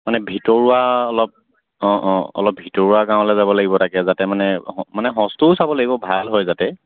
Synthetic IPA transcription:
manɛbʱitɔɹuwaɔlɔp̚ | ɔ̃ʔɔ̰lɔp̚bʱitɔɹuaɡãʊ̃lɛzabɔlaɡibɔtʰakɛzatɛmanɛɔmanɛɦɔ̃stʊsabɔlaɡibɔbʱalɦɔjzatɛ

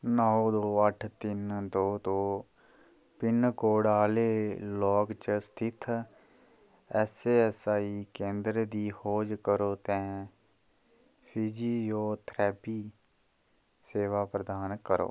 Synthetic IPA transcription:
naːoːd̪oːəʈʰt̪ɪnd̪oːt̪õː | pɪnkoːɽaːleːlɔːkt͡ʃəst̪ʰɪt̪ʰ | ɛseːɛsaːiːkẽːnd̪ɾəd̪iːhoːd͡ʒkəɾoːt̪ɛ̃ː | pʰiːd͡ʒiːjoːt̪ʰɾɛːpiː | seːʋaːpɾəd̪aːnkəɾo̰ː

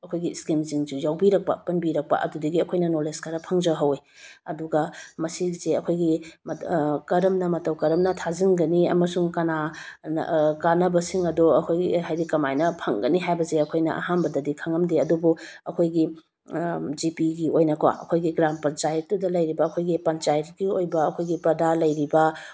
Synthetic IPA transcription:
ɐkʰojɡiskimziŋzujawbiɾɐk̚pɐ̰pɐnbiɾɐk̚pɐ̰ʔɐ̰dudɐɡiɐkʰojnɐnoleskɐɾɐpʰɐŋzɐɦɐweɐduɡɐmɐsizeɐkʰojɡimkɐɾɐmnɐmɐtɐwkɐɾɐmnɐtʰazinɡɐniɐ̰mɐsuŋkɐnan̰kanɐbɐsiŋɐdoɐkʰojɡiɦajɾikɐmajnɐpʰɐŋɡɐniɦajbɐzeɐkʰojnɐ̰ʔɐ̰ɦambɐdɐdikʰɐŋɐmdiɐdubu | ɐkʰojɡi | d͡ʒipiɡiojnɐkwa̰ʔɐ̰kʰojɡiɡɾampɐnt͡ʃajɐtːudɐlɐjɾibɐːkʰojɡipɐnt͡ʃajɐt̚ɡiojbɐɐkʰojɡipɐdalɐjɾibɐ

